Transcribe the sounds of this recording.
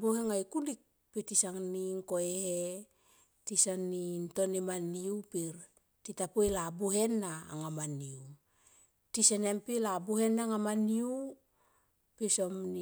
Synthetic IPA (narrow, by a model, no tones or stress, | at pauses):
buheŋajkulik̚ | pitisaŋniŋkoehe | tisanːinto̞nimaniupiɾ | titapojlabuɦe̞nːa̰ːŋamaniu | tisenempilabuhe̞nːaŋamaniu | pisomni